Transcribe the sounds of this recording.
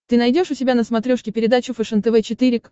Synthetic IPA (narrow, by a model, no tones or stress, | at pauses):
t̪ɨnɐjdʲo̞ʂʊtʲɪbʲanəsmɐt̪ɾʲoʂkʲɪpʲɪɾʲɪd̪at͡ɕʊfɨʂənt̪ɛvɛt͡ɕɪt̪ɨɾʲɪk